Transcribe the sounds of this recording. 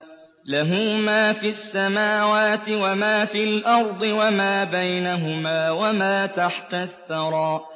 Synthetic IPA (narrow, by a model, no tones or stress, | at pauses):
laɦʊːmaːfiasːamaːwaːt̪ɪwamaːfiːlʔɑɾˤd̪ˤɨwamaːbajnaɦʊmaːwamaːt̪aħt̪aθːɑɾˤɑːʔ